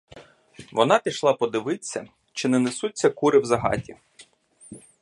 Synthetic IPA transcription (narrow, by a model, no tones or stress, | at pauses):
ʋɔnɑpʲiʃlˠɑpɔd̪ɪʋɪt͡sʲːɐ̰ | t͡ʃɪnɛnesut͡sʲːɐkuɾɪwzɐɦɑ̰tʲi